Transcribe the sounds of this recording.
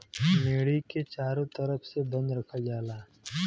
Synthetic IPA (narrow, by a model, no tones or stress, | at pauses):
meːɽiket͡ʃaːɾõt̪əɾəpʰsebə̃nd̪ɾɐkʰad͡ʒaːlaː